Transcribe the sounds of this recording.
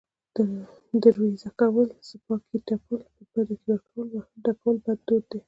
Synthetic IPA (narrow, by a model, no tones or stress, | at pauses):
d̪̥ə | d̪aɾwezakawəlsəpɑkʰiʈapəlpəbad̪akewaʈʰolɖakawəlbad̪d̪od̪e